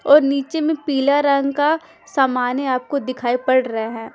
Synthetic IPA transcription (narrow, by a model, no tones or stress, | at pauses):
ɔːɾniːt͡ʃemẽpiːlaɾɐ̃ŋɡka | saːmaːneaːp̚kod̪ɪkʰaːipɐɽɾɐɦeɦɛ̃ː